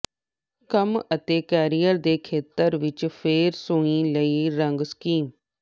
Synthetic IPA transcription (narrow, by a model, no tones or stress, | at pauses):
kəmət̪eːkɛːɾijəɾd̪eːkʰeːt̪əɾʋɪt͡ʃpʰeːɾsʊ̃ĩːləiːɾəŋɡskiːm